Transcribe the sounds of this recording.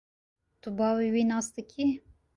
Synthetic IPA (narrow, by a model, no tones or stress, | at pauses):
t̪ubɑːwiwinɑːsd̪ɨkʲʰi